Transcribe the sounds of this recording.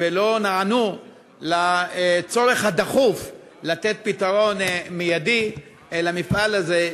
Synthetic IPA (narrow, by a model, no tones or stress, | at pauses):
velo̞naanu | lat͡so̞ʁe̞χhad̪aχuf | lat̪et̪̚pit̪aʁo̞nmijadi | elamifʔalaze